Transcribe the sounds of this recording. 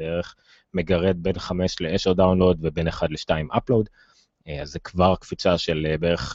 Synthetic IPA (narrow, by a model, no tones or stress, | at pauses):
eʁeχ | meɡaʁe̞d̪̚be̞nχame̞ʃleeʃeʁd̪awnlo̞d̪vebe̞neχad̪leʃtaimʔaplo̞d | azːekvaʁkfit͡saʃelbeeʁeχ